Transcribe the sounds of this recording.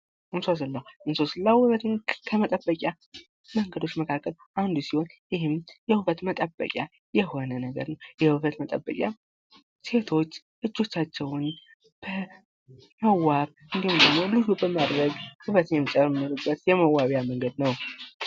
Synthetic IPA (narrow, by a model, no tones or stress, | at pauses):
ʔɨnsas̬ɨlːawʔɨnsosləwɨβət̪ɨnkʰəmət̪ʼəbːəkʼja | məŋɡəd̪o̞t͡ʃːməkʰakʰːəlʔand̪usiho̞njɪhɪmjɛhɨβət̪mət̪ʼəbːə̰kʲʼja | jɛho̞nənəɡə̰ɾnəwjɛhɨβət̪mət̪ʼə̰bːə̰kʼja̰ | se̞t̪ʰo̞t͡ʃː | ʔɨd͡ʒːo̞t͡ʃːat͡ʃːɛwn | b̥ə | məwːaβ | ʔɨnd̪ihund̪əɡmo̞lɨzubəmad̪ɾəɡhɨβət̪ɛmːt͡ʃʼəɾmɨɾɨbət̪jɛməwːaβjaməŋɡəd̪nəw